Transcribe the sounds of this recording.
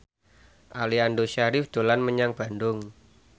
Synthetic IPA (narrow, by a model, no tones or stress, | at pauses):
ʔaliandoʃaɾɪfd̪̥o̤lanməɲaŋb̥a̤ndʊŋ